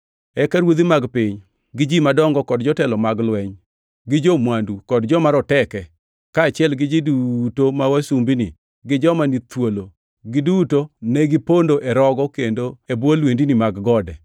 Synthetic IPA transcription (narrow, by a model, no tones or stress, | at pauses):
ɛkaɾwod̪imaɡpɪɲ | ɡɪd͡ʒimadɔŋɡɔkɔdd͡ʒɔtɛlɔmaɡlwɛɲ | ɡɪd͡ʒomwandukɔdd͡ʒɔmaɾɔtɛkɛ | kaːt͡ʃɪɛlɡɪd͡ʒidutomawasumbini | ɡɪd͡ʒɔmanit̪wolo | ɡɪdutonɛɡɪpondoʔɛɾɔɡɔkendoebwolwendinimaɡɡɔdɛ